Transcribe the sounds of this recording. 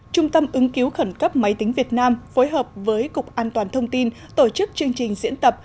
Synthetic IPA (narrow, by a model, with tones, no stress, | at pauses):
t͡ɕʊ˧ŋ͡mt̪ə˧mʔɨ˨˦ŋki˨˦wxə˧˩nkə˦˥p̚ma˨˦jt̪ï˨˦ŋ̟vi˨˩ət̚naː˧mfo˨˦jɦəː˨˩p̚vəː˨˦jkʊ˨˩k͡p̚ʔaː˧nt̪waː˨˩nt̪ʰə˧wŋ͡mt̪i˧n | t̪o˧˩t͡ɕɨ˦˥k̚t͡ɕɨ˧əŋt͡ɕï˨˩ŋ̟zḭ˧˥ənt̪ə˨˩p̚